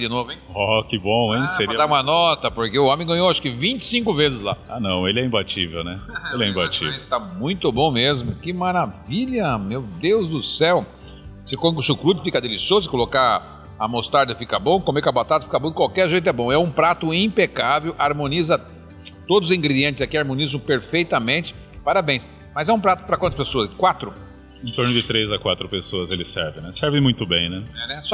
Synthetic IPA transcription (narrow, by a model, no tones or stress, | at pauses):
d͡ʒɪnovʊẽj̃ɔkɪbõw̃ẽj̃seɾid̪aɾũmɐnɔt̪ɐpoɾkeʊõmẽj̃ɡɐ̃ɲ̃owaʃkɪvĩnt͡ʃɪ̥sĩkʊvezɪzla̰anɐ̃w̃elɪɛĩbat͡ʃḭvḛwnɛelɪɛĩbat͡ʃḭvst̪amũj̃t̪ʊbõw̃mezmʊkɪmaɾaviʎɐmewd̪ewzd̪ʊsɛw | sɪkõʊʃukɾud̪ʊɪfikɐd̪elisiozʊkoloka | ɐmost̪aɾd̪ɐfikɐbõkõmekabat̪ad̪ɐfikɐbõd̪ɪkwawkɛɾʒejt̪ʊɛbõɛũpɾat̪ʊĩpekavewʔaɾmõnizɐ | t̪od̪ʊzʊzĩŋɡɾed͡ʒiẽnt͡ʃ̪ɪzakiaɾmõnizɐ̃w̃peɾfejt̪ɐmẽnt͡ʃɪ̥ | paɾabẽj̃s | mɐzɛũpɾat̪ʊ̥pɾɐkɐ̃t̪ɐspesoɐskwat̪ɾʊ | ẽt̪oɾnʊd͡ʒɪt̪ɾezɐkwat̪ɾʊpesoɐzelɪsɛɾvɪ̃nɛsɛɾvẽmũj̃t̪ʊbḛ̃j̃nɛɛnɛsɔ